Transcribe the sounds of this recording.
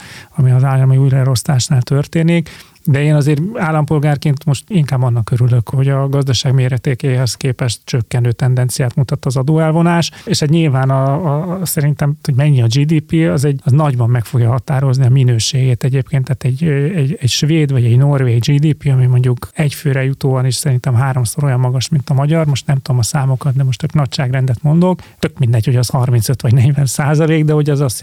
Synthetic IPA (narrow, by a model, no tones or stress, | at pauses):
ɒmiɒzaːlːɒmiuːjlɛɾo̞st̪aːʃnaːlt̪ørt̪eːnik | d̪ɛeːnɒzeːɾaːlːɒmpo̞lɡaːrkeːnt̪mo̞ʃt̪iŋkaːbɒnːɒkːøɾylø̞kho̞ɟɒɡɒzd̪ɒʃaːɡmeːɾɛt̪eːkeːɦɛskeːpɛʃt̪t͡ʃøkːɛnøːt̪ɛnd̪ɛnt̪sijaːt̪mut̪ɒt̪ːɒzɒd̪oːɛlvo̞naːʃeːʃɛt̪ɲilvaːnɒsɛɾint̪ɛmt̪oɟmɛɲːiɒd͡ʒiːd̪iːpiɒzɛɟɒznɒɟbɒmːɛkfo̞ɡjɒɦɒt̪aːɾo̞zniɒminøːʃeːɡeːt̪ɛɟeːpkeːnt̪ːaːt̪ɛɟɛɟɛɟʃveːd̪ʋɒɟɛɟnorʋeːɡd͡ʒiːd̪iːpiɒmimo̞ɲɟukɛcføːɾɛjut̪oːɒniʃsɛɾint̪ɛmɦaːɾo̞msoɾo̞jɒmːɒɡɒʃmint̪ɒmɒɟɒrmo̞ʃt̪nɛmt̪ud̪omɒsaːmo̞kɒt̪̚d̪ɛmoʃt̪øknɒcʃaːɡrɛnd̪ɛt̪mo̞nd̪o̞kt̪ø̞kmind̪ɛɲcho̞ɟɒshɒrmintsøt̪ʋɒɟnɛɟvɛnsaːzɒleːɡd̪ɛho̞ɟɛzɒs